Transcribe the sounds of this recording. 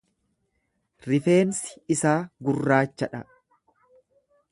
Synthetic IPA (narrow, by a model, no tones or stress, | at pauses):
ɾɪfe̞ːnsɪ̥ɪsaːɡʊrːaːt͡ʃːɐᶑɐ